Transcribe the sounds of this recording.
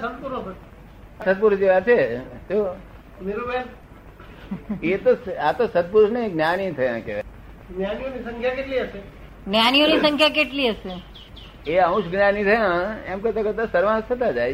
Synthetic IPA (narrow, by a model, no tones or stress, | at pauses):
sət̪puɾot̪ə | sət̪̚puɾʊʃd͡ʒeʋaet̪o | meɾobe | et̪oat̪osəd̪̚pʊɾʊʃnə̃ĩɡnjanĩt̪ʰəjã̰keʋe | ɡnjanijonisə̃ŋkʰjakeʈliəse | njanionisə̃ŋkʰjakeʈliəse | eəũʃɡnanĩt̪ʰəjãemkəɾt̪akəɾt̪asəɾʋãsət̪ad͡ʒaːj